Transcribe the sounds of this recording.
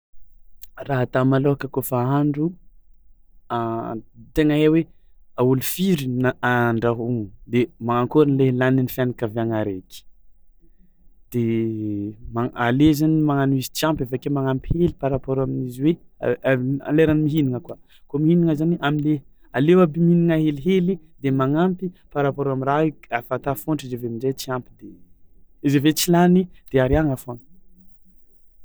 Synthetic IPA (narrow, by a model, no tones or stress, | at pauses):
raɦat̪amaloɦakəkofaaɳɖ͡ʐu | at̪eŋəewe | aulufiɾinaaɳɖ͡ʐaɦuŋud̪emaŋaŋkoɾinlelaninifjanakaviaŋaɾeki̥ | d̪̥e | maalezanimaŋanuizit͡siãmpefakemaŋampʰelipaɾapɔɾaminiziwḛ | a̰leɾanimiɦiniŋəka | komihiniŋəzaniʔamile | alewabiminiŋəɦeliɦelid̪emaŋampipaɾapoɾamiɾaiafat̪afoɳʈ͡ʂizevemid͡ʒet͡siampid̪e | izevet͡silanid̪̥eaɾiaŋafon